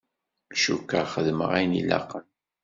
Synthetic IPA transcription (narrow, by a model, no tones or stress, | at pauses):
lʃukːaχəðmə̰ʁæjnḭla̰qən